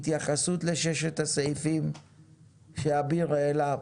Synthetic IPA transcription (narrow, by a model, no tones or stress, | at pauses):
t̪jaχasut̪le̞ʃeʃet̪hasaifim | ʃeabiʁela